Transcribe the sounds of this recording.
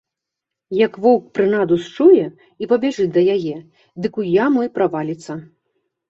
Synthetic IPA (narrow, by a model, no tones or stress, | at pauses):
jɐkvɔwk̚pɾɨnad̪ust͡ʂujɛ | ipɐbʲɛʐɨd̪ɐjajɛ | d̪ɨkujamɔjpɾavalʲit̪sɐ